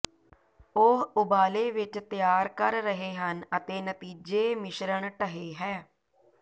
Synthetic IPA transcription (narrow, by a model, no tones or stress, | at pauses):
ʊɦʊbaːleːʋɪt͡ʃt̪ɪjaːɾkəɾːəɦeːɦənət̪eːnət̪iːd͡ʒeːmɪʃɾəɳʈəɦeːɦɛː